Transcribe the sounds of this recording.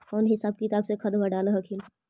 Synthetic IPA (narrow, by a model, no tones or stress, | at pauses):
ɔːnɦɪsaːb̚kit̪aːbsekʰɐd̪bəɖaːlɦəkʰil